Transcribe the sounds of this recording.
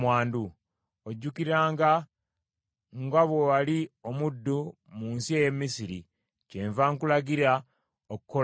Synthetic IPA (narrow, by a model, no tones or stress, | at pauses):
mwaːndu | oɟːukiɾaːŋɡa | ŋɡaβwowalio̞mudːu | muːnsie̞je̞mːisiɾi | ceːɱvaŋkulaɡiɾa | okukːo